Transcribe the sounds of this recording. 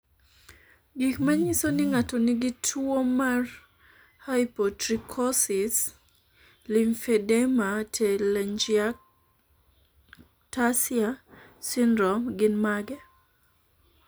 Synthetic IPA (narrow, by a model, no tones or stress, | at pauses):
ɡikmaɲisonɪŋatonɪɡitʰwomar | haipɔtɾikʰɔsɪs | linfɛdɛmatʰɛlɛnd͡ʒia | tasiasindɾɔmɡɪnmaɡɛ